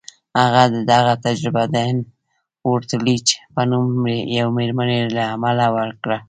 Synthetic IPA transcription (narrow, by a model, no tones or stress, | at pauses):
aɣad̪əd̪aɣat̪ad͡ʒɾɪbad̪an | oɾt̪lit͡ʃe̥pənumɾejawmeɾmanelaːmalawəɾkɽa